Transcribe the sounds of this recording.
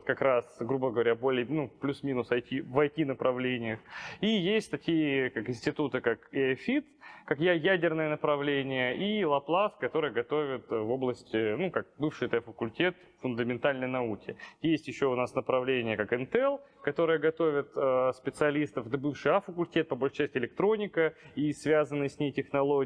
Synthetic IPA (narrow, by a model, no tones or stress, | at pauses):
kɐkɾasɡɾubəɡəvɐɾʲabo̞lʲɪjənuplʲusmʲinʊsɐjtʲivɐjtʲinəpɾɐvlʲenʲɪjəxijesʲtʲt̪ɐkʲijɪkakɪnʲsʲtʲɪt̪ut̪ɨkakefʲit̪kakjæjædʲɪrnɨjənəpɾɐvlʲenʲɪjəʔilˠɐplˠaskɐt̪o̞ɾɨjəɡɐt̪o̞vʲɪt̪vo̞blˠəsʲtʲɪnukak̚bɨfʂɨjt̪ɛfəkʊlʲtʲe̞t̪ | fʊnd̪əmʲɪnt̪alʲnəjnɐukʲɪjesʲtʲjɪɕːoʊnasnəpɾɐvlʲenʲɪjəkakɛnt̪ɛlˠkɐt̪o̞ɾɨjəɡɐt̪o̞vʲɪt̪əspʲɪt̪sɨɐlʲist̪əfd̪əbɨfʂɨjafəkʊlʲtʲe̞t̪̚pəbolʲʃt͡ʃæɛsʲtʲɪlʲɪkt̪ɾo̞nʲɪkəisvʲazənːɨjsʲnʲejtʲɪxnɐlˠo